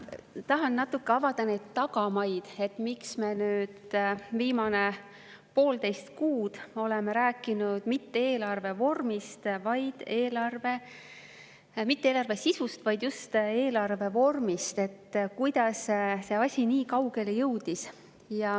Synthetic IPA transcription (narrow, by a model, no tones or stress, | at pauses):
t̪ɑɦɑnːɑt̪ːˑukːe̞ɑvɑd̪ɑne̞jd̪̥t̪ɑɡ̥ɑmɑjd̪̥e̞t̪ːmiksme̞nyːd̪viːmɑne̞ | po̞ːlt̪e̞jst̪̚kuːd̪̥o̞le̞meɾæːkːˑinud̪̥mit̪ːeeːlɑrve̞vo̞rmist̪vɑjd̪̥e̞ːlɑrve̞ | mit̪ːeːlɑrve̞sisust̪vɑjd̪̥just̪e̞ːlɑrve̞vo̞rmist̪e̞t̪ːkujd̪̥ɑsse̞ɑsʲiniːkɑwɡe̞lejɤwd̪̥is | jɑ